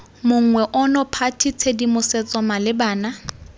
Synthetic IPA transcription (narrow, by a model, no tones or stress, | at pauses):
mʊŋ̩ŋwɛʔʊnɔpʰatʰit͡sʰedimʊsɛt͡sʼɔmalɪbaːna